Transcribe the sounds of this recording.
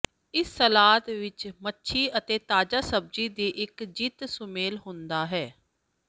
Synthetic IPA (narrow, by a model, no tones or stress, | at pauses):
ɪsːəlaːt̪ʋɪt͡ʃmətːʃʰiːət̪eːt̪aːd͡ʒaːsəb̚d͡ʒiːd̪iːʔɪkd͡ʒit̪sʊmeːlɦʊ̃nd̪aːɦɛː